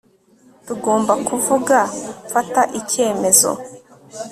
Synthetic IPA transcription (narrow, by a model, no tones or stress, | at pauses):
tuɡo̞ːmbakuvuɡafataʔice̞ːme̞zo̰